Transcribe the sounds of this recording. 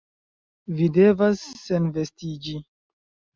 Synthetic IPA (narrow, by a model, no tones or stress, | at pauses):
vide̞vasːenve̞stid͡ʒi